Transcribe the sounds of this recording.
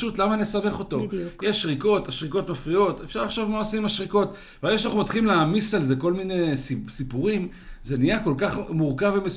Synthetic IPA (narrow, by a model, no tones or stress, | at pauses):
utlamanlesame̞χo̞to̞jeʃʁiko̞taʃʁiko̞tmafʁijo̞tefʃaʁlaχʃovmaasimaʃʁiko̞t | vaeʃanaχumat̪χilimleaːmisalze̞ko̞lminessipuʁim | ze̞nijako̞lkaχmuʁkavemes